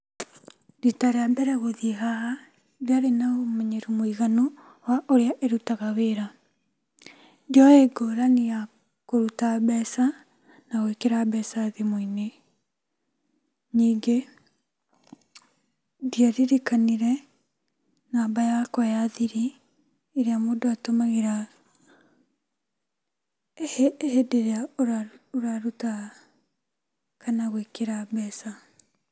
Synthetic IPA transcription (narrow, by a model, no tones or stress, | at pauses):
ditaɾeabɛɾɛɣoðiɦaɦa | βjaɾenaomɛɲeɾumwiɣano | waʔoɾeaʔeɾutaɣaβeɾa | d͡ʒɔeɡoɾanija | koɾutabɛsa | naɣoekeɾabɛsaðemoine | niːŋɡe | diaɾiɾikaniɾɛ | naːbajakwajaðiɾi | eɾeamodɔatomaɣeɾa | hhedeɾea | oɾaɾuta | kanaɣwekeɾabɛːsa